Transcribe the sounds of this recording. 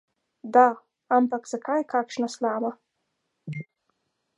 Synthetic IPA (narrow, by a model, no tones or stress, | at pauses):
d̪a | ampaksakʰajkʰakʃnaslaːma